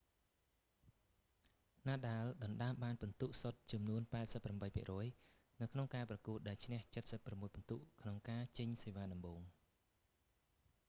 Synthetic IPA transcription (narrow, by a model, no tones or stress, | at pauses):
naːɗaəlɗɑnɗaəmɓaːnpɑnt̪uʔsot̪̚t͡ɕɑmnuənpaɛt̪̚səpːramɓəjpʰḭəʔrɔəj | nɨwkʰnoŋkaːprɑkuət̪̚ɗaɛlt͡ɕʰnɛ̆əht͡ɕət̪̚səpːramːuəjpɑnt̪uʔkʰnoŋkaːt͡ɕəɲseːʋaːɗɑmɓoːŋ